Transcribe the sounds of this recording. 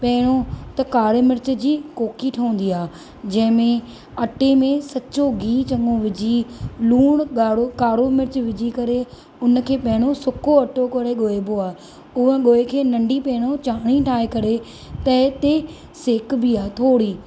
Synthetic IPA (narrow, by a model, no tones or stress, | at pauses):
pɐɦɪɽ̃ot̪ɐkaːɾmɪɾt͡ɕə̆d͡ʑiːkoːkiʈʰɐũnd̪iaː | d͡ʑɐ̃ɦɪ̃mẽ | ɐʈemẽsɐtːt͡ɕoɡiːt͡ɕɐ̃ŋɡoʋɪd͡ʑiluːɽ̃ɠaːɽokaːɽomɪɾt͡ɕʋɪd͡ʑikɐɾe | ʊnkʰeːpɐɦɪɽ̃osʊkoɐʈokoɾeɠoːeboaː | ʊɦə̃ɠoːekʰeːnɐ̃ɳɖipɛːɪɽ̃ot͡ɕaːɽ̃iʈʰaːekɐɾe | t̪ɐɪt̪e | seːkbiaːt̪ʰoːɽiː